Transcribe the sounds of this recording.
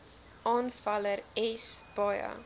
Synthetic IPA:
ʔɑːnfɐləɾɛsb̥ɑjɐ̰

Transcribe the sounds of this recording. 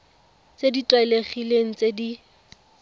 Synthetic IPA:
t͡seditʼwaɛleχileŋ̩t͡sʼedi

